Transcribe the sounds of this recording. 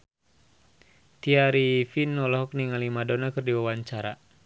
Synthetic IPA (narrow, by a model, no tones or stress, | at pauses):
t̪iaɾifinːɔlɔɦɔk̚niŋalimadɔnakɨrdiwawaɲt͡ʃaɾa